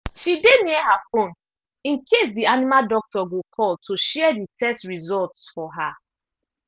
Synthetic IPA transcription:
ʃideniɛhafõn | ĩnkʰes̬dianimaldɔk̚tɔɡokʰɔltʰuʃɛɛditʰɛstɹizɔltsfɔɦa

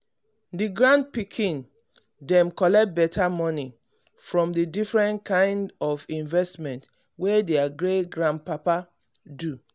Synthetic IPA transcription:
diɡɹãnd̚pikʰĩn | dɛ̃mkɔlɛkt̚bɛtʰamɔni | fɹɔ̃mdidifɹɛ̃nkʰãɪ̃ndɔvĩnvɛstmɛ̃nt | wedeaɡɹeɡɹãn̚papa | du

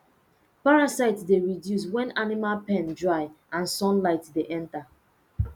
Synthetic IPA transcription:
paɹasaɪtsdeɹidjus̬wɛ̃nanimalpɛ̃ndɹaɪ | ãnsɔ̃nlaɪtdeʔɛ̃nta

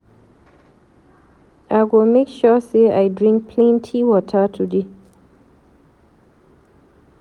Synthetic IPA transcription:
ʔaɪɡɔlmekʃɔseajdɹĩŋk̚pʰlẽntʰiwɔtʰətʰude

